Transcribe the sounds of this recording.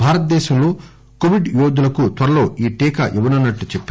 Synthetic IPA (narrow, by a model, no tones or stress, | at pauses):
bʱaːɾɐt̪̚d̪ɛːʃɐmloː | koʋiɖjoːd̪ulɐkut̪ʋɐɾɐlo̞ːiːʈiːkɐ̰ʔiʋɐnɐnːɐʈːut͡ʃepː